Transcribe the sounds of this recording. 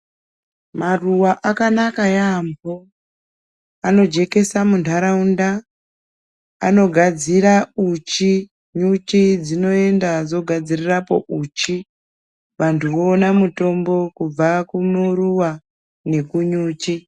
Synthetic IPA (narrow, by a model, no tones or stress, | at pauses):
maruwaʔakanakajambo | ano̞d͡ʒe̞ke̞samuntʰaɾaunda | a̰no̞ɡʱad͡ziɾaut͡ʃi | ɲut͡ʃid͡zino̞e̞ndad͡zo̞ɡʱad͡zirirapo̞ʔut͡ʃi | ʋantʰuwo̞ːnamuto̞mbo̞kub͡vakunoruwa | ne̞kuɲuːt͡ʃi